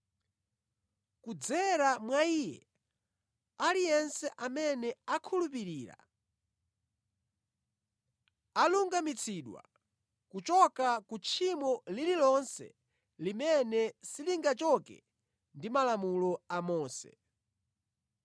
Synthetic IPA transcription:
kud͡zɛɾamwaijɛ̰ | alijɛnsɛʔamɛnɛakʰulup̬iɾiːɾa̰ | aluŋɡamit͡sʰiɗwa̰ | kut͡ʃɔkakut͡ʃʰimɔlililɔnsɛ̰ | limɛnɛsiliŋɡat͡ʃɔkɛ̰ | ndimalamulɔamɔːsɛ̰

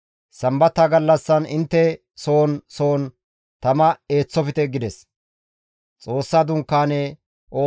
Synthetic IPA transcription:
sɐmbɐt̪ːaːɡɐlːɐsːɐnɪnt̪ːɛ | so̞ːnsoːn | t̪ɐmɐe̞ːt͡sːɔfɪt̪ɛɡɪd̪ɛs | t͡sʼo̞ːsːaːd̪ʊŋkːaːneː | ʔo̞ː

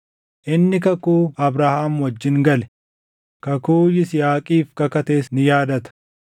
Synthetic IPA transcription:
ʔɪnːɪkɐkuːɐbɾaːhaːmwɐd͡ʒːɪŋɡɐlɛ̥ | kɐkuːjɪsɪjaːkʼiːfkɐkɐt̪eːsnɪjaːd̪ɐt̪ɐ̥

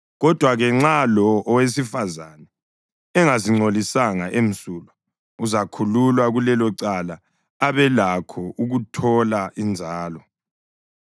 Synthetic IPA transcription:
ɣɔd̥ʱwaɣɛŋ͡ǁalɔʔɔwesifazanɛ | ɛŋaziŋ͡ǀolisaŋaʔem̩suːla | uzakʰululwaɣulɛlɔǀalaː | βɛlakʰɔʔuɣutʰɔlaʔind͡zʱaːlɔ

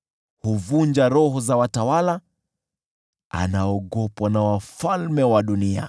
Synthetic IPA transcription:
huvund͡ʒaɾɔɦɔzawatawala | a̰naɔɠɔpwanawafalmɛwaɗunia̰

